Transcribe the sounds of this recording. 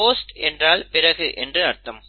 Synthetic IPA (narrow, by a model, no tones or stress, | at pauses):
oːsʈɛndraːlpɪrɐɣɯʔɛndrɯɐɾt̪ːɐm